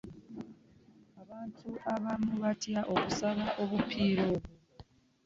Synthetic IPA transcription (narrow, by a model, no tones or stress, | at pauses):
aβaːntʰuʔaβamuβatjaʔokusaβaʔo̞βupʰiːɾo̞ːβu